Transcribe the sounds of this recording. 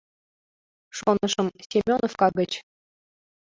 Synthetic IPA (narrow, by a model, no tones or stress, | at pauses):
ʃonɤʃɤ̆msʲimʲonofkɑɡə̆t͡ɕ